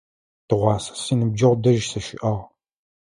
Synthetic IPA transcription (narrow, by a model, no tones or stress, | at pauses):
d̥ɨʁʷɑːsɐ̥siːnɨb̚d͡ʒɐʁʷdɐʒsɐʃɪ̰ʔɐʁ